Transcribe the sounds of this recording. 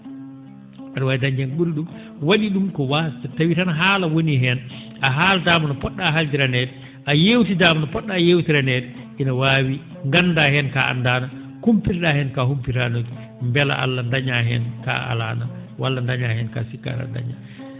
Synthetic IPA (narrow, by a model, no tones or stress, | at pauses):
aɗwajdaɲd͡ʒɛnɓuɾɗum | waɗiɗumkɔwatawitanaɦaːlawoniɦɛn | ʔaɦaːladaːmanɔpɔɗːaɦald͡ʒiɾanɛdɛ | ʔajewtidaːmanɔpɔɗːajewtiɾanɛdɛ | ʔinawaːwi | ŋɡandahɛnkaʔa̰ndaːna | kumpiɾɗahɛnkahumpiɾanoki | mbɛla̰ʔa̰lːandaɲaɦɛ̰nka̰a̰la̰nawalːandaɲahɛnka̰sikːa̰ɾa̰nda̰ɲa̰